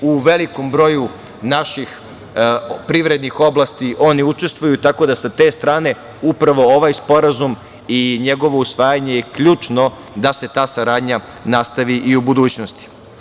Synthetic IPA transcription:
uʋe̞likombɾo̞ju | naʃix | pɾiʋɾe̞d̪nixo̞blˠast̪iʔo̞niut͡ʃest̪ʋujut̪ako̞d̪asat̪e̞ːst̪ɾaːne̞ | upɾaʋo̞oʋajspo̞ɾazum | iɲe̞ɡo̞ʋo̞usʋaːjaɲe̞jekʎuːt͡ʃno̞ | d̪ase̞t̪aːsaɾaːd̪ɲa | nast̪aʋiʔiubud̪uːt͡ɕno̞st̪i̥

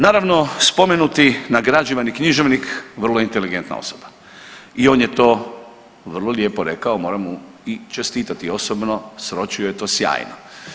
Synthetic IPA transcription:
naːɾaʋno̞spo̞me̞nut̪inaɡɾad͡ʒiʋanikɲiʒeʋnikʋr̩lˠoint̪e̞liɡe̞nt̪na̰o̞̰soba | ioːnjet̪o̞ː | ʋr̩lˠo̞lje̞ːpo̞ɾe̞kaomo̞ːɾamu | it͡ʃe̞st̪iːt̪at̪io̞sobno̞sɾo̞t͡ʃiojet̪o̞ːsja̰ːjno̰

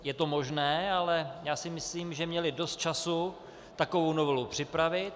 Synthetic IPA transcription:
jɛt̪o̞mo̞ʒnɛːalɛjaːsɪmɪsliːmʒɛmɲɛlɪdo̞st̪̚t͡ʃasu | t̪ako̞vowno̞vɛlupr̝̥ɪpɾavɪt̪

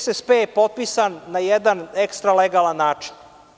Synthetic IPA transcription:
sespeepo̞t̪̚pisanːajɛd̪anekst̪ɾaleɡalˠanːaːt͡ʂi̥n

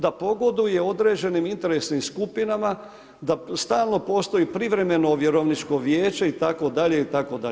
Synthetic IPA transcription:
d̪apo̞ɡo̞d̪uje̞o̞d̪ɾe̞ːd͡ʑe̞nimint̪e̞ɾe̞snimskupinama | d̪ast̪aːlˠno̞po̞ːst̪o̞ipɾiʋɾe̞me̞no̞ʋjeɾoʋnit͡ʃko̞ʋjeːt͡ʃeit̪ako̞d̪aʎe̞it̪ako̞d̪a

